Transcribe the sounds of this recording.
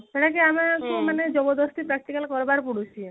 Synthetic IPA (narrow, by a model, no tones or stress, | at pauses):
seʈʰakeamakomaned͡ʒɔbɔd̪ɔst̪ipɾak̚t̪ikalkɔɾbaɾpuɽut͡ʃʰi